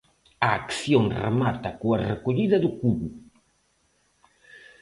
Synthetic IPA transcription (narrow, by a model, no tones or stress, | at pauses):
ɐːkθjoŋrḛmat̪ɐkoɐrekoʎiðɐðʊkuβu